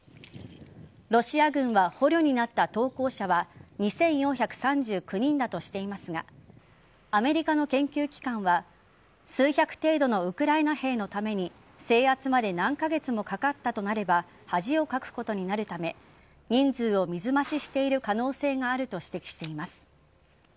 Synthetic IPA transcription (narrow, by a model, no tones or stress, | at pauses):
ɾo̞ɕiaɡɯ̟̃ɰ̃βaho̞ɾʲo̞ɲ̟inat̪ːat̪o̞ːko̞ːɕaβaɲ̟isẽ̞ɰ̃jõçʲakɯ̟̥sãɲ̟d͡ʑɨːkɯ̟ɲ̟ĩnd̪at̪o̞ɕi̥t̪e̞imasɨɡa | ame̞ɾʲikano̞kẽ̞ŋkʲɨːkʲi̥kãɰ̃βa | sɨːçʲakɯ̟̥t̪e̞ːd̪o̞no̞ɯ̟kɯ̟ɾaenahe̞ːno̞t̪ame̞ɲ̟i | se̞ːat͡sɨmad̪e̞nãŋkaɡe̞t͡sɨmo̞kakat̪ːat̪o̞naɾe̞ba | haʑio̞kakɯ̟̥ko̞t̪o̞ɲ̟inaɾɯ̟t̪ame̞ | ɲ̟ĩnd͡zɨːo̞mʲizɨmaɕiɕi̥t̪e̞iɾɯ̟kano̞ːse̞ːŋaːɾɯ̟t̪o̞ɕi̥t̪e̞kʲi̥ɕi̥t̪e̞imasɨ̥